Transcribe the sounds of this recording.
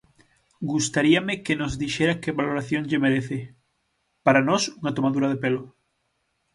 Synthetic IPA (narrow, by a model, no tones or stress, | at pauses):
ɡust̪aɾiamɪkenozðiʃeɾakeβaloɾaθjoŋʎemeɾeθɪ | paɾanɔsuŋat̪omaðuɾaðepelʊ